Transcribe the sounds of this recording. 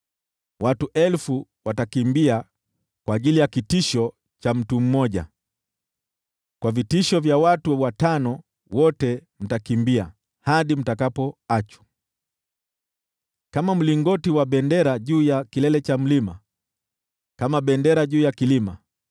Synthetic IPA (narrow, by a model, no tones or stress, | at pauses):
watuʔɛlfuwatakimbia | kwaːʄilijakitiʃɔ | t͡ʃam̩tum̩mɔʄa̰ | kwavitiʃɔvjawatuwatanɔ | wɔtɛm̩takimbia̰ | haɗim̩takapɔat͡ʃu̥ | kamam̩liŋɡɔtiwaɓɛndɛɾaʄuːjakilɛlɛt͡ʃam̩lima | kamaɓɛndɛɾaʄuːjakilima̰